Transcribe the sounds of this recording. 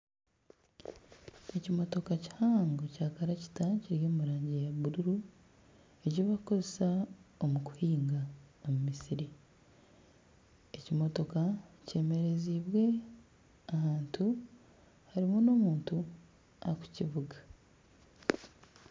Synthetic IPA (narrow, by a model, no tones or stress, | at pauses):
e̞cimo̞to̞kaci̥haːŋɡocaːkaɾaci̥taciɾjo̞ːmuɾaːɲɟejaβuɾuɾu | eɟoβakukozesaomuku̥hiːŋɡaomumisiɾi | ecimo̞to̞kace̞ːme̞ɾe̞ziːβwe̞ | ahaːntʰu | haɾimuno̞ːmuːntu | a̰ku̥ciβuɡa